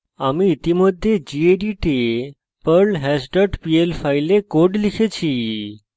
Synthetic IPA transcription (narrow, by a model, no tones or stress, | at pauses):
amiːt̪iməd̪ʱːjed͡ʑieɖiʈe | pəɾlɦɛsʈəʈpielfajlekoɖlikʰet͡ɕʰi